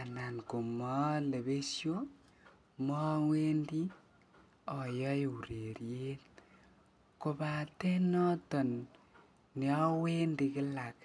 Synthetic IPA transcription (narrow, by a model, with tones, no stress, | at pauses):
a˨na˨nku˨mɔ˦le˨βe˦sjo˦ | mɔ˦ŋwe˦ndi˦ | ɔ˨jɔ˦je˨u˨ɾe˨ɾje˦t̚ | ko˨βa˨te˦nɔ˦tɔ˨nː | jɔ˦we˦ndi˧kɪ˦la˨k